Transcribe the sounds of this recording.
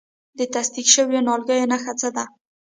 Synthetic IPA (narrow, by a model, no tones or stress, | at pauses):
d̪ət̪asd̪ikʃəwjonɑlɡəjonaxat͡sad̪a